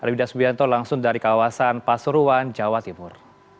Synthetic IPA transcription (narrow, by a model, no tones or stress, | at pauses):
ʔalwidasbiant̪ɔlaŋsʊŋdaɾikawasanpasuɾuwand͡ʒawat̪imʊr